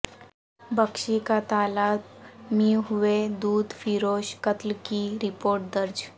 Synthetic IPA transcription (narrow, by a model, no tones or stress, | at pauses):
bəkʃikat̪aːlaːtmiɦuʋed̪uːd̪fiɾoːʃkət̪lkiɾɪpoːɾʈ̚d̪əɾd͡ʒ